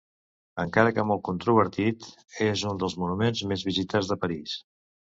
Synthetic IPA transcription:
əŋkaɾəkəmɔlˠt̪̚kunt̪ɾuβ̞əɾt̪it̪ | ezund̪əlˠzmunumenzmezβizit̪ad͡zðəpəɾis

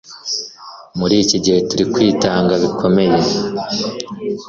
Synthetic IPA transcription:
muɾiːciɟihe̞tuɾikwiːtaːŋɡaβikʰo̞me̞je̞

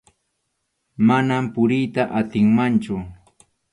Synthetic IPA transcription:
manampʊɾɪjt̪aʔat̪ɪŋmant͡ʃʊ

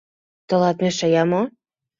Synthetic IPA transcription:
t̪ɤ̆lɑt̪̚mĕʃajɑmo

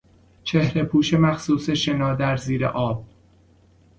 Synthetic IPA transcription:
t͡ʃʰehɾe̞pʰuːʃe̞mæxsuːse̞ʃe̞nɒːd̪æɾziːɾḛʔɒːb̥̚

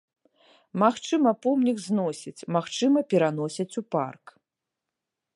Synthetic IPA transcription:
maxt͡ʂɨmɐpɔmnʲiɡznɔsʲit͡sʲmaxt͡ʂɨmɐpʲɛɾanɔsʲɐt͡sʲupa̰rk

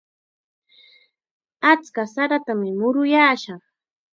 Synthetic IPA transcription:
at͡skasaɾat̪amɪmʊɾʊjaːʃɑχ

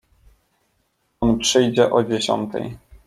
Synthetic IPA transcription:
ɔnpʂɘjd͡ʑɛʔɔd͡ʑeɕɔ̰nt̪ɛ̰j

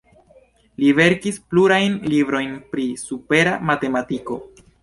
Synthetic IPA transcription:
live̞ɾkispluɾajnlibɾo̞jnpɾisupe̞ɾamate̞matiko̞̰

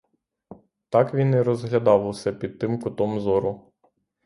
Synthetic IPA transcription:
t̪ɑkʋʲinɛɾɔzɦlʲɐd̪ɑwʊsɛpʲid̪̚t̪ːɪmkʊt̪ɔmzɔɾʊ

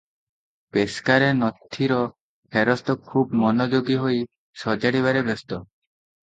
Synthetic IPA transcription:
peskaɾenɔt̪ʰːiɾɔ | pʰeɾɔst̪ɔkʰubmɔnɔd͡ʒoɡiɦoj | sɔd͡ʒaɽiβaɾebest̪ɔ

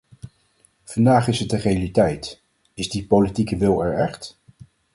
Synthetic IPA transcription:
v̥ɑndaːχɪsɦət̚dərejalitɛjt | ɪzdipolitikəʋɪlˠɛɹɛχt

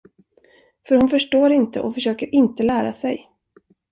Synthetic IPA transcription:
fœɾhʊnfœʂʈoːɾɪnt̪ə̰ʔɔfœʂøːkəɾʔɪnt̪əlæːɾasɛj

